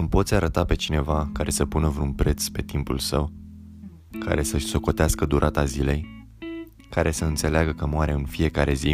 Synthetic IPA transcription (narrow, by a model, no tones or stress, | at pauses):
ɨmpo̞t̪sʲaɾət̪ape̞t͡ʃine̞vakaɾe̞səpunəvɾunpɾe̞t̪spe̞t̪impulsəw | kʰa̰ɾe̞səʃʲso̞ko̞t̪easkəd̪uɾʔat̪azile̞j | kaɾʔe̞səɨnt̪se̞leaɡəkəmoaɾe̞ɨnfije̞kaɾe̞zi